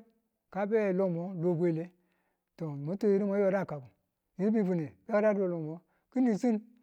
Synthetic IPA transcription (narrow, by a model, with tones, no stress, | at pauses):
ka˦be˦˨lo˦mo˨˦lo˨bʷe˦˨le˦ | to˨mi˦to˦ji˦ɾi˦mo˦jo˦ɾa˦˨ka˨bu˨ | ji˦ɾbi˦vu˨ne˨be˦ka˦a˦do˨lo˨mo˨˦ | ki˦ni˨si˦n